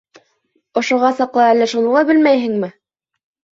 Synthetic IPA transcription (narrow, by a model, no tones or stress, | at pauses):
ŏʃŏʁɑsɑqlˠɑælːæʃunɤ̆lˠɑbɘlmæjɦɘŋmɘ